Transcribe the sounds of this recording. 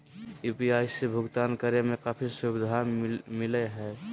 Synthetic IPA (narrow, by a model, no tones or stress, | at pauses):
jupiajsebʱʊɡt̪ankəɾemekaːpʰisubid̪ʱamilɛɦɛ